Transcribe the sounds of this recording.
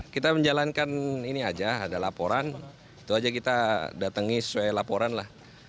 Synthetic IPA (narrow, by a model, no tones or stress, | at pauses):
kit̪aməɲd͡ʒalankaniniad͡ʒaːdalapoɾan | it̪uad͡ʒakit̪adat̪əŋisə̥suajlapoɾanlah